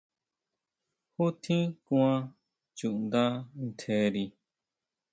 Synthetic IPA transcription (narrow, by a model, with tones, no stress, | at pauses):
hu˦t̪ʰĩ˦kũ˦ã˦˧ | t͡ʃu˨ʔnd̪a˦n̩˦˨t̪ʰe˧ɾi˧